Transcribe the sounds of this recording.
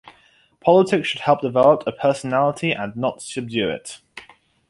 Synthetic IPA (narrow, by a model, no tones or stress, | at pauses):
pʰɒlɪtʰɪkʃʃəd̥̚hɛlˠp̚d̥ɪvɛləp̚tʰəpʰɜˑsənalɪtʰiʔə̰̃nːətsəb̚djʉːɪ̰t